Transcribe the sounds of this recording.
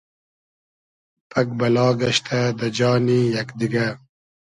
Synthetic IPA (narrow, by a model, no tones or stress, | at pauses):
pʰɐkbɐlɑːɡɐɕt̪ʰad̪ɐd͡ʒɑːnijɐkd̪iɡa